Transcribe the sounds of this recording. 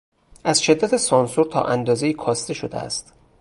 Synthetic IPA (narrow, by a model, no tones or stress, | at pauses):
ʔæzʃe̞d̪ːæt̪ʰesɒːnsuɾt̪ʰɒ̰ːʔænd̪ɒːzejiːkʰɒːst̪e̞ʃod̪ḛæ̰st̪